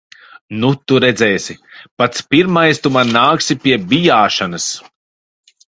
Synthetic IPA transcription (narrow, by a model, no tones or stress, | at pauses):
nut̪uɾɛd̪zɛːsʲipat̪spiɾmajst̪umanːaːksipiɛbijaːʃanɐs